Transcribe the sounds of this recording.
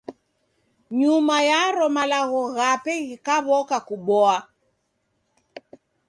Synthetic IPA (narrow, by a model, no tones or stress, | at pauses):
ɲumajaɾɔmalaɣɔɣapɛɣikaβɔkakuɓɔa